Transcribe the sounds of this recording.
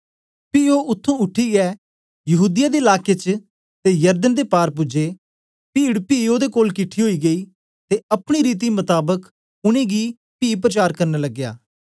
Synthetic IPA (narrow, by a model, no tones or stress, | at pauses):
piːoːʔʊt̪ʰːũʊʈʰːiɡɛː | jɐɦuːd̪ɪjaːd̪eːɪlaːkeːt͡ʃ | t̪ejɐɾd̪ənd̪eːpaːɾpʊd͡ʒeː | piːɽpiːoːd̪ekoːlkɪʈʰiɦoːiːɡəiː | t̪eːɐpɽ̃iɾiːt̪̬imət̪aːbək | ʊɽ̃ẽːɡi | piːp̬ɾət͡ʃaːɾkəɾneləɡːja̰ː